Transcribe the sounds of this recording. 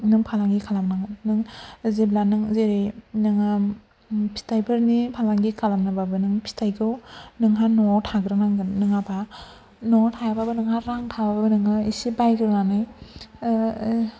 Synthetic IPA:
nɯŋpʰalaŋɡikʰalamnaŋnɯŋzeblanɯŋzeɾɯnɯŋɯ | pʰi̥tajbʰɯɾnipʰalaŋɡikʰalamnababɯnɯŋpʰi̥tajɡɯwnɯŋɦanɔtʰaɡɾɯnaŋɡɯnɯŋaba | nɔtʰajababɯnɯŋhaɾaŋtʰabababɯnɯŋɯisibajɡɯɾnanɯj

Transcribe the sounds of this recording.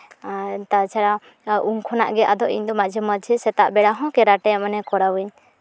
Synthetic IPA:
t̪at͡ʃʰaɽa | ʔuŋkʰɔna̰ʔɡɛʔad̪ɔʔḭɲd̪ɔmad͡ʒʱəməd͡ʒʱəsɛt̪aʔbɛɽaɦɔ̃kɛɾaʈɛamanɛkɔɾawəɲ

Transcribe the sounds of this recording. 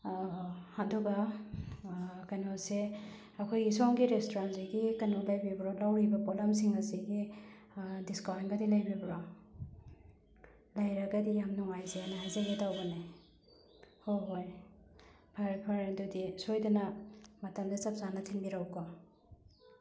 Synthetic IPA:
haduɡa | kanose | ɐkʰojɡisɔŋɡiɾestʰoɾansiɡikanolajbibɾolawɾibɐpɔlams̬iŋɐziɡi | diskawinɡɐdilajbɾibɾɔ | lajɾɐɡɐdijamnɔŋajzeanahajzeɡitawbɐne | hoɦoj | pʰaɾpʰaɾendudisojdɐnɐmɐtɐmzesɐp̚zanɐtʰinbiɾawkɔ

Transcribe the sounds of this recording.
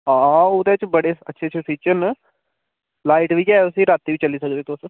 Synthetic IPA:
ɦãːoːd̪et͡ʃbəɽeːətːʃʰeət͡ʃʰesiːt͡ʃən | laːiʈʋiːkjaːeʊsiːɾaːt̪ːiːʋiːt͡ʃəliːsəkd̪eːt̪os

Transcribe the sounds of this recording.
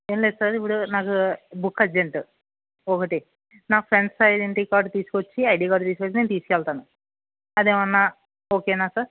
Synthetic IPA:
eːmleːd̪sɐɾip̬ːuɽunaːkubukːɐd͡ʒeɳʈu | ɔkɐʈi | naːpʰɾe̞nɖsɐjɖeɳʈiːkaːɾɖt̪iːsu̥kot͡ʃːiɐjɖiːkaːɖt̪iːs̬ukot͡ʃːine̞ːnt̪iːsu̥kɛlt̪aːnu | ɐd̪eːmɐnːaː | oːkeːnaːsɐɾ

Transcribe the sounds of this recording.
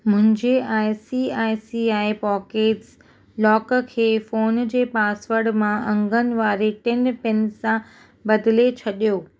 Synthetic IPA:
mʊ̃ɦɪ̃ɲd͡ʑeaːɪsiaːjsiaːipɔːkeːʈs | lɔːkkʰeːfoːnd͡ʑeːpaːsʋəɾɽmãʔɐ̃ŋɡənɪ̆ʋaːɾeʈɛ̃npɪ̃nsːã | bɐd̪ɪlet͡ɕʰɐɗijoː

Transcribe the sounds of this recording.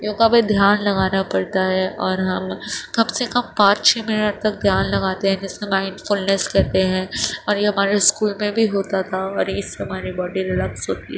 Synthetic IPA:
joːɡabed̪ʱjaːnlɐɡaːnapɐɽt̪aɦɛʔɔːɾɦɐmkɐbsekɐmpãːt͡ʃt͡ʃʰɛ̃ːmɪnəʈ̚t̪ɐk̚d̪ʱjaːnlɐɡaːt̪eɦɛ̃d͡ʒɪsːemãːɪ̃ɳɖfʊlneskɛɦt̪eɦɛ̃ːɔːɾjeɦɐmaːɾeskuːlmẽbʱiɦoːt̪at̪ʰaɔːɾjeɪsːeɦɐmaːɾibɔːɖiɾɪlɐksɦoːt̪ḭɦɛ

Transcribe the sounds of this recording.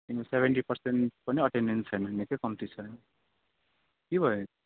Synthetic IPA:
inosebʱeɳʈipʌrseɳʈ̚pʌniʌʈenːent͡sʰʌjnʌnikʌjkʌmʈrit͡sʰʌjnʌ | kibʱʌjo

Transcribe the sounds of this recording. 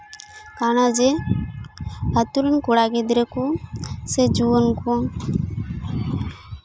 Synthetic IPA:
kanad͡ʒe | at̪uɾənkuɽaɡed̪ɾekused͡ʒuənku

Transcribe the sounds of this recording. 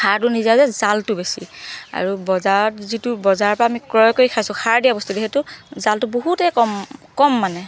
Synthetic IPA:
kʰaɹtʊnizazɛzaltʊbesḭa̰ɹubɔzaɹɔzitubɔzaɹpɔɹaːmikɹɔjkoɹikʰajsʊ̃xʰaɹdijabɔst̪udixetʊzaltʊboɦutɛkɔmkɔmːanɛ

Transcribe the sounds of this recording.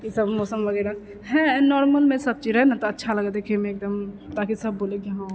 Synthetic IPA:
kisɐbmɔːsəmʋɐɡɛːɾa | ɦɛ̃nɔːɾməlmẽsɐb̚t͡ʃiɾɛɦenat̪oɐtːʃʰalɐɡad̪eːkʰẽmẽːk̚d̪əmt̪aːkisɐbːoːleɡãɦã

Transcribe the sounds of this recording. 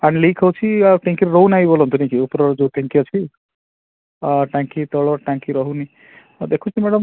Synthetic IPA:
aɽ̃ilejkʰɔwt͡ʃʰiʈẽŋkiɾɾɔɦunajbolɔnt̪unikiupɾɔd͡ʒoʈẽŋkiɔt͡ʃʰi | ʈãŋkit̪ɔɭɔʈãŋkiɾɔɦuni | d̪ekʰũt͡ʃʰimeɽɔm

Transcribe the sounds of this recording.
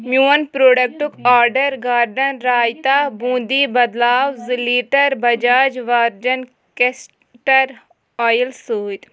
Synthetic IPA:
mjuːɐnpɾoːɖək̚ʈukaːɾɖəɾɡaːɾɖənɾaːjt̪aːbũːd̪ibɐd̪laːwziliːʈəɾbɐd͡ʒaːd͡ʒʋaːɾd͡ʒɐn | kes | ʈəɾ | ɔːjəlsuːt̪

